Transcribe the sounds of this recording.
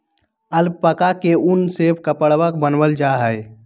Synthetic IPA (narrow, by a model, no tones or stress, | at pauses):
əlbpəkakeʔunsebkəpəɽwəkbənwəld͡ʒaɦəɪ